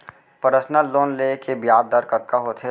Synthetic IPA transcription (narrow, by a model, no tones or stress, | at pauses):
pəɾəsnəlloːnlekebjaːd̪ːəɾkətkaɦoːt̪ʰe